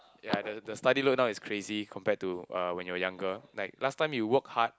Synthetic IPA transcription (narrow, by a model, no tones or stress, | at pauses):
jadədəstadilok̚naʊiskʰɹezikʰɔ̃mpɛtːuʌwɛ̃njuəjãŋɡəlaɪk̚lastãɪ̃mjuwək̚hat̚